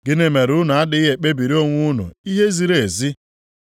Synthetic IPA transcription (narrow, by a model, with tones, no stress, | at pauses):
ɡɪ˦ne˨me˨ɾʊ˦nʊ˨a˦dɪ˦ɦe˨k͡pe˦bi˨ɾi˦o˦ŋʷu˦nʊ̰˨i˦ɦe˦zi˨ɾe˨zi˦